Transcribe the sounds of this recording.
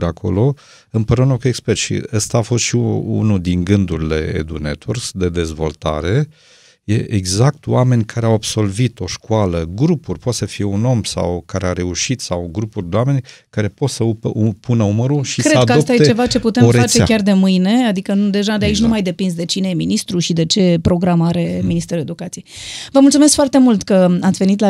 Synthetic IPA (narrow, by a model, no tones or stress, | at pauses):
d̪eakʰo̞̰lo̞ | ɨmpəɾunokuekspert̪ʃḭəst̪aːfo̞st̪ʃiṵnud̪iŋɡɨnd̪uɾile̞̰ḛd̪ṵnḛt̪ʰursd̪e̞d̪e̞zvo̞̰lt̪a̰ɾe̞ | je̞ʔeɡzakt̪owame̞nʲkʰaɾe̞awabso̞lvit̪o̞ʃkualəɡɾupurʲpot̪səfije̞uno̞msa̰wkaɾeaɾe̞uʃit̪sawɡɾupurʲd̪ewame̞nʲkaɾe̞po̞t̪səupʰunəuməɾuʃikɾedkəaost̪ajet͡ʃe̞vat͡ʃe̞put̪emeat͡ʃekʲard̪e̞mɨjne̞ad̪ikəd̪e̞ʒad̪eait͡ʃʲnumajd̪e̞pinsd̪e̞t͡ʃine̞jeminist̪ɾuʃid̪e̞t͡ʃe̞pɾo̞ɡɾamaɾe̞minist̪e̞ɾule̞d̪ukat̪sijejvəmult̪sumeskfoart̪e̞mult̪kəat̪sve̞nit̪la